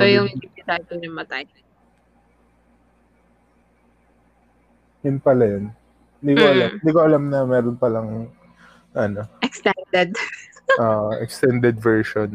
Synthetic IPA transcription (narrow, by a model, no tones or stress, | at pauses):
sojʊŋɪpɪt̪ad̪oɲɐmɐt̪aj | jʊnpɐlajon | hɪnd̪iːkoʔɐlamhɪnd̪iːkoʔɐlamnɐmɛːɾonpɐlaŋ | ʔɐno̞ʔɛkst̪ɛnd̪ɛd̪ | ʔoːʔoʔɛkst̪ɛnd̪ɛd̪vɛɹʃon